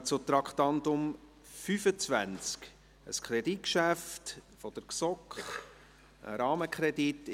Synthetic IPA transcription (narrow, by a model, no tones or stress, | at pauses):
t͡sʊtɾɑkχtɑnt̪ʊm | fyfət͡svænt͡sk | əskʰɾɛdit̚kʃæftfɔd̥̪əɾksɔkχ | ə̰ɾɑːməkχɾɛdit